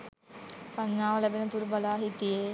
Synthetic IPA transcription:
saɲːaːʋəlæbenət̪uɾbalaːɦit̪ije

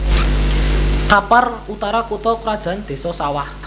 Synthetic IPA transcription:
kaparut̪aɾakut̪ɔkɾad̥ʒ̥a̤nd̪̥e̤sɔsawah

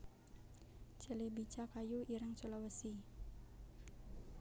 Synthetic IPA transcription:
t͡ʃəlibit͡ʃakajuiɾəŋt͡ʃolawəsi

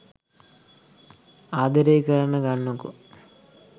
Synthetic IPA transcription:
aːd̪ɐɾejkɐɾɐnɐɡaɳːɐkṵ

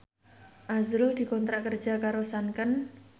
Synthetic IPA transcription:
ʔazɾʊld̪̥i̤kɔnt̪ɾaʔkər̥d͡ʒ̥a̤kaɾosankən

